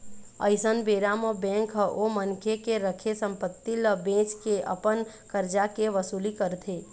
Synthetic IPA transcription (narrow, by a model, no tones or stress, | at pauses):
əɪsənbeɾaməbɛ̃ːŋkɦəʔomənkʰekeɾəkʰesəmpət̪ːiləbẽt͡ʃkeʔə̰pən | kəɾd͡ʒakeʋəsulikəɾt̪ʰe